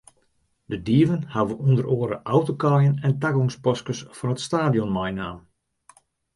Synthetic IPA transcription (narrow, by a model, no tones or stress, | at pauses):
dədiəvənhaʋəʔundəɾoːəɾə̰ʔawtokɑjənɛntaɡɔŋspɔskəsfɔnətstaːdijɔnmajnaːm